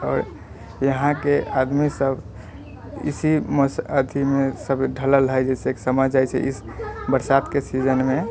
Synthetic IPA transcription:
ɔːɾ | jəɦãkead̪misəbʱ | ḭsiməsəd̪ʱimesəbɖʱələlɦəjd͡ʒɛseksəməd͡ʒajt͡ʃʰɛ̰ʔḭsbəɾsat̪kesid͡ʒənme

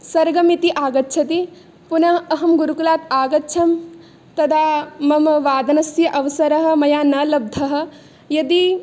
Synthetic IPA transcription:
sɐɾɡɐmit̪iʔaːɡɐtːʃʰɐt̪i | punɐɦɐɦɐmɡuɾukulaːt̪aːɡɐtːʃʰɐm | t̪ɐd̪aːmɐmʋaːd̪ɐnɐsjɐʔɐʋɐsɐɾɐɦɐ̆mɐjaːnɐlɐb̚d̪ʱɐɦɐ̆ | jɐd̪i

